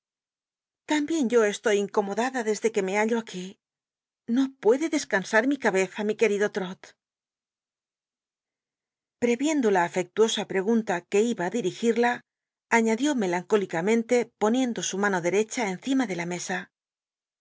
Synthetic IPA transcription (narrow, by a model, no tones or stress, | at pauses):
t̪ambje̞nɟ͡ʝo̞e̞st̪o̞jiŋko̞mo̞ðaðaðe̞zðe̞ke̞me̞aʎo̞aki | no̞pwe̞ðe̞ðe̞skansaɾmikaβe̞θamike̞ɾiðo̞t̪ɾo̞t̪ | pɾe̞βje̞nd̪o̞laːfe̞k̚t̪uo̞sapɾe̞ɣunt̪ake̞iβaːðiɾixiɾlaː | ɲaðjo̞me̞laŋko̞likamẽ̞nt̪e̞po̞nje̞nd̪o̞sumano̞ðe̞ɾe̞t͡ʃae̞nθimaðe̞lame̞sa